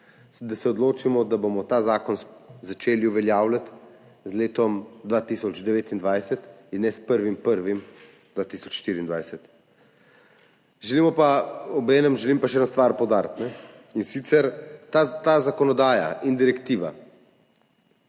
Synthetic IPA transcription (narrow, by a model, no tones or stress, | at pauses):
d̪asɛɔd̪loːt͡ʃimɔd̪abomɔt̪aːzaːkɔnzat͡ʃeːliuʋɛljaːwlat̪ | zleːt̪ɔmd̪ʋat̪isɔd͡ʒd̪ɛʋeːt̪ind̪ʋajsɛt̪inːɛspəɾʋimpəɾʋim | d̪ʋaːt̪isɔt͡ʃʃːt̪iːɾiːnd̪ʋajsɛt̪ | ʒɛliːmɔpaɔbɛːnɛmʒɛlimpaʃɛɛd̪nost̪ʋaɾpowd̪aːɾt̪nɛ | insit̪sɛɾt̪at̪azakɔnɔd̪aːja̰ind̪iɾɛkt̪iːʋa̰